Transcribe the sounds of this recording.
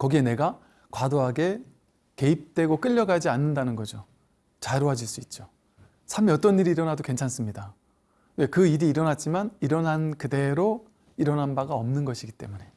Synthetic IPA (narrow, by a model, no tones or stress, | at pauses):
kʌɡie̞ne̞ɡa | kwadoɦaɡe̞ | ke̞ip̚t͈we̞ɡok͈ɯʎːʌɡad͡ʑianːɯndanɯnɡʌd͡ʑo | t͡ɕaɾoɦad͡ʑiɭs͈uit̚t͡ɕ͈o | sʰaɭmiʌt͈ʌnːiɾiːɾʌnadoke̞nt͡ɕʰans͈ɯmɲida | we̞kɯiɾiːɾʌnat̚t͡ɕ͈imaniɾʌnɦankɯde̞ɾo | iɾʌnɦanbaɡaʌmnɯnɡʌɕʰiɡit͈e̞̰mune̞